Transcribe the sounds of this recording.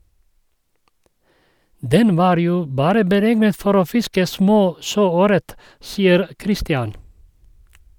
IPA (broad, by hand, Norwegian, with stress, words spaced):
ˈdɛn ˈʋɑːɾ ˈjuː ˈbɑːɾə bəˈɾɛɡnət ˈfɔɾ ˈoː ˈfɪskə ˈsmoː ˈʃøːˌøːɾət ˈsiːəɾ ˈkɾɪstɪɑn